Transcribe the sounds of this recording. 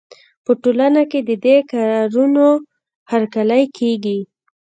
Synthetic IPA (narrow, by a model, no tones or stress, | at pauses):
pəʈolanaked̪əd̪ekaɾɑɾuno | haɾkaləjkʰeɡi